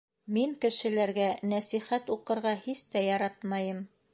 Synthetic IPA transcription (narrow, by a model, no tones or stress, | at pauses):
miŋkɘ̆ʃɘ̆læɾɡænæsiχæt̪uqɤ̆ɾʁɑhist̪æjɑɾɑt̪mɑjɤm